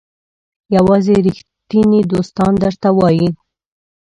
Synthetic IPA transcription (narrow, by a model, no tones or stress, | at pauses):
jawɑzeɾixt̪inid̪ost̪ɑnd̪əɾt̪awɑji